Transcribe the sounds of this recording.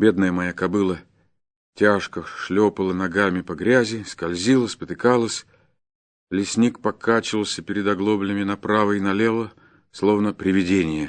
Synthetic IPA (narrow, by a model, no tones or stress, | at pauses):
bʲe̞d̪nəjəmɐjakɐbɨlˠə | tʲaʂkəʂlʲopəlˠənɐɡamʲɪpɐɡɾʲæzʲɪskɐlʲzʲilˠəspət̪ɨkalˠəsʲ | lʲɪsʲnʲik̚pɐkʰat͡ɕɪvəlˠsʲəpʲɪɾʲɪd̪ɐɡlˠo̞blʲɪmʲɪnɐpɾavəɪnɐlʲe̞lˠə | slˠo̞vnəpɾʲɪvʲɪdʲenʲɪjə